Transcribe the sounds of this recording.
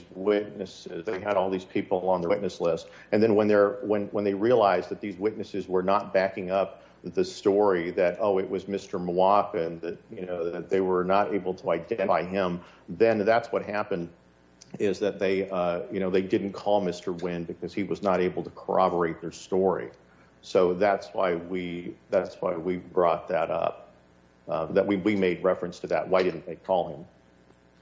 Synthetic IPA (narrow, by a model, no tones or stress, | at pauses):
zwɪtⁿnɨsɪzðeɪɨɾɔlˠðiz̥pʰipl̩ˠə̃nðə˞ʔⁿnɨslɪst | ɨ̃nðɨ̃nwə̃nðə˞wə̃nwə̃nðeɪɹiəlaɪzðɨt̪̚ðizwɪtⁿnɨsɨzwə˞nət̚b̥ækɪ̃ŋʌp̚ | ðɨstɔɹiðɨɾoʊɨʔ̚wʌzmɪstə˞mɑkɨ̃nðɨt̚jɨnoʊðɨt̪̚ðeɪwə˞nəɾḛɪbl̩ˠtʰəaɪdɛ̃ɾ̃faɪɪ̃m | ðɨ̃nðætswʌt̚ɦæpɨ̃nd | ɪzðɨt̪̚ðeɪʌjɨñoʊðeɪdɪdⁿn̩kʰɔlˠmɪstə˞wɪ̃nbɨkʰʌz̥iwʌznəɾeɪbl̩ˠtʰə̥kʰə̰˞ɑbə˞eɪt̪̚ðə˞stɔɹḭ | soʊðætswa̰ɪwiðætswa̰ɪwibɹɔt̪̚ðɨɾʌ̰p̚ | ðɨʔ̚wiwimeɪd̚ɹɛfɹɨ̃nstʰɨðɨ̰t̚waɪɾɪdⁿn̩ðeɪkʰɔlˠɪ̃m